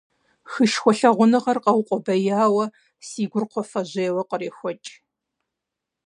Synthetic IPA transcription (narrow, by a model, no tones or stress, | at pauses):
xɨʃxʷɔɬɐʁʷʊnɨʁɐrqɐwqʷʼɔbɐjaːwɐ | siːɡʷʊrqʷʰɔfɐʑeːwɐqʼəreːxʷɔt͡ʃʼ